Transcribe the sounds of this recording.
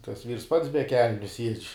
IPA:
tɐs ʋʲiːrs ˈpɐts bʲɛ ˈkʲɛlʲnʲʊ sʲiɛt͡ʃʲ

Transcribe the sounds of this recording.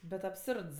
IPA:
bʲɛt ɐpˈsʊrts

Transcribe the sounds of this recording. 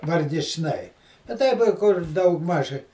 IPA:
ʋɐrʲɡʲɪt͡ʃˈnɐɪ ɐ ˈtɐɪp ɪ ˈkʊr ˈdɐʊɡˌmɐʃ

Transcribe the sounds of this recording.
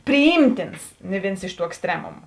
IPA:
pʲrʲɪˈjiːmʲtʲɪns nʲɪ ˈʋʲeːns ɪʃ ˈtuː ɛksʲˈtʲrʲæːmʊmʊ

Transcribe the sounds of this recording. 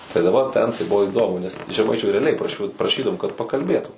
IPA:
tɐɪ dɐ ˈʋɐ ˈtʲɛn tɐɪ ˈbʊʋoː ɪˈdoːmʊ nʲɛs ʒʲɛˈmɐɪt͡ʃʲuː rʲɛɐˈlʲɛɪ prɐˈʃʲʊ prɐˈʃʲiːdɐʋoːm kɐt pɐkɐlʲˈbʲeːtʊ

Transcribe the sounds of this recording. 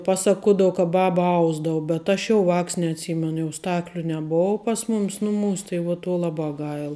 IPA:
ˈpɑːˌsɑːkuɔdɐw kɐ ˈbɑːbɐ ˈɐʊzdɐʋʊ bʲɛt ˈɐʃ jɛʊ ˈʋɑːks nʲɛɐtʲˈsʲiːmʲɛnʊ ˈstɑːklʲʊ nʲɛˈboːw pɐs ˈmʊmʲɪs ˈnʊˌmuːs tɐɪ ʋuɔ tuɔ ˈlˠɑːˌbɑː ˈɡɐɪlˠ

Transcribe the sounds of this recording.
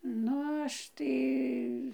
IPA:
ˈnʊ ˈɐʃ tɐɪ

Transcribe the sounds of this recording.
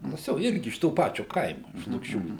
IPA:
ˈtɐs jɛʊ ˈɪrʲɡʲɪ ɪʃ toː ˈpɑːt͡ʃʲoː ˈkɐɪmʊ ɪʃ lˠʊkˈʃʲuː

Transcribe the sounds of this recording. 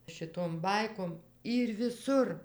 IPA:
ʃʲɪˈtoːm ˈbɐɪkoːm ˈiːr ʋʲɪˈsʊr

